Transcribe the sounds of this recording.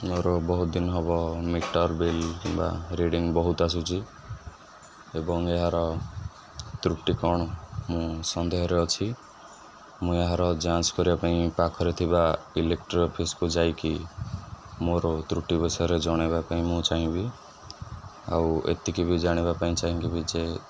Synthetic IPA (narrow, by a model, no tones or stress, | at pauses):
moɾɔbɔɦut̪̚d̪inɔɦɔbɔmiʈɔɾbilkĩmba̰ɾiɖiŋbɔɦut̪as̬ut͡ʃʰi | ebɔŋeɦaɾɔ | t̪ɾuʈikɔɽ̃ɔmũsɔnd̪eɦɔɾeɔt͡ʃʰi | mũeɦaɾɔd͡ʒãt͡ʃkɔɾibapaĩpakʰɔɾet̪ʰibailek̚ʈɾɔpʰiskud͡ʒajki | moɾɔt̪ɾuʈibɔsɔjɔɾed͡ʒɔɽ̃ebapaĩmũt͡ʃaɦĩbi | a̰wḛt̪ikibid͡ʒaɽ̃ebapaĩt͡ʃaɦĩkibid͡ʒe